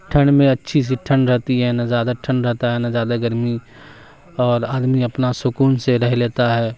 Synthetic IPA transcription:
ʈʰəɳɖmẽɐtːʃʰis̬iʈʰə̃ɳɾɛɦt̪iɦɛnazjaːd̪aʈʰənɾɛɦt̪aɦɛnazjaːd̪aɡəɾmi | ɔːɾaːd̪miɐpnasʊkuːnseɾɛɦleːt̪aɦɛː

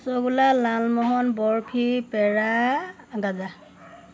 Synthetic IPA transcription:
sɔɡulalalmɔɦɔnbɔɹpʰipɛɹa | ɡaza

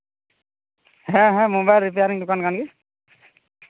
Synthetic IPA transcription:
ɦɛ̃ɦɛ̃mobajlɾip̬ejaɾiŋdʊkankanɡi

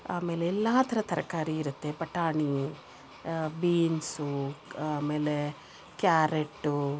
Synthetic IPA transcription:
a̰ːme̞ːleːlːaːt̪ʰɐɾɐt̪ɐɾɐkaːɾiːɾut̪ːe̞pɐʈaːɳi | biːnsuaːme̞ːle | kjaːɾeʈːu

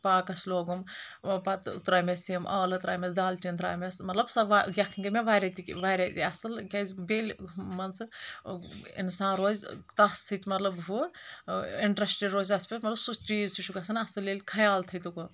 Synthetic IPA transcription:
paːkɐsloːɡumpɐt̪ṵt̪ɾaːmesiɐmʔɐːlɐt̪ɾaːmesd̪aːlt͡ʃind̪ɾa̰ːmesmɐt̪lɐbsɐʋaɡʲɐkʰiŋɡɐmeʋaːɾʲɐt̪iʋaːɾʲɐt̪ḭɐsɨlkʲɐzbeːlʲmɐnt͡sɨ | ḭnsãːnɾoːzʲt̪ɐssʰit̪ʲmɐt̪lɐbɦu | iɳʈɾɐsʈiɾoːzʲɐspʲesmɐt̪lɐbsust͡ʃiːzsuʃʰukɐsɐnɐsɨlːelʲkʰɐjaːlt̪ʰɐjt̪uku

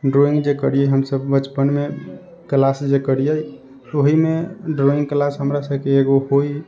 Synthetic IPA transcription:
ɖɾoĩŋɡd͡ʒekəɾijəɦəmsəbːət͡ʃpənme | klasd͡ʒekəɾijə | oɦimeɖɾoĩŋɡklasɦəmɾasəbkeːɡoɦoi

